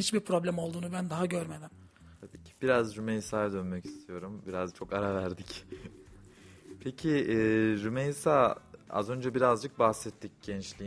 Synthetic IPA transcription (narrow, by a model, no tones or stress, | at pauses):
hit͡ʃbiɾpɾo̞blʲæmo̞lˠd̪uːnubænd̪aɦaɟø̞ɾme̞d̪im | t̪ʰabiːcʰi̥b̥iɾazɾymejsaːjd̪ø̞nmɛci̥st̪ʰijo̞ɾumbiɾazt͡ʃʰo̞kaɾavæɾd̪ic | pʰecʰiɛɾymejsaːa̰zø̞nd͡ʒɛbiɾazd͡ʒɯk̚baxsɛt̪ʰːic̚ɟ̥ɛnt͡ʃlʲi